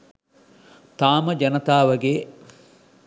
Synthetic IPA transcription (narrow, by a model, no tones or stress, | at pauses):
t̪aːməd͡ʒɐnɐt̪aːʋɐɡeː